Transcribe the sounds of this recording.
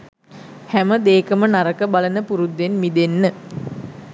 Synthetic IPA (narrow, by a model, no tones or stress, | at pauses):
hæməd̪eːkəmənaɾəkəbalənəpuɾud̪ːenmid̪enːə